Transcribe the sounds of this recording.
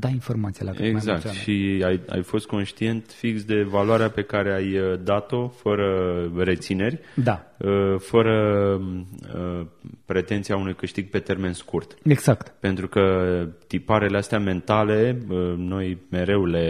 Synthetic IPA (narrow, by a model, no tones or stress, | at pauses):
d̪ainfo̞rmat̪sijḛlakeɡzakt̪ʃiaja̰jfo̞st̪̚ko̞nʃt̪ie̞nt̪fiksd̪e̞valwaɾeape̞kaɾe̞ajəd̪at̪o̞fəɾəre̞t̪sine̞rʲd̪aəfəɾə | əpɾe̞t̪e̞nt̪siaunujkɨʃt̪iɡ̚pe̞t̪e̞rme̞nskurt̪eɡzakt̪pe̞nt̪ɾukət̪ipaɾe̞least̪eame̞nt̪ale̞əno̞jme̞ɾe̞wule̞